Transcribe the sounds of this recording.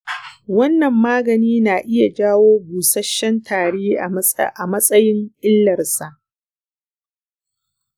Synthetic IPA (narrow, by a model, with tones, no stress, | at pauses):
wɐ˦nːɐ˨mːaː˦ɡɐ˨niː˦naː˨ʔɪ˦ja˨d͡ʒaː˦woː˦buː˨sɐ˦ʃːɛ˦ntʰaː˨ɽeː˦ʔa˨mɐ˦sʼɐ˦jɪ˦ŋʔɪ˦lːɐ˨rsa˨ʔ